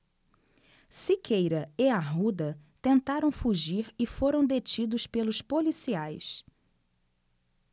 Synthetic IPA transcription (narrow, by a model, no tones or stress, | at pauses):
sikʰejɾɐɪaɦud̪ɐt̪ẽnt̪aɾɐ̃w̃fuʒiɾɪfoɾɐ̃w̃d̪et͡ʃid̪ʊspelʊspolisiajs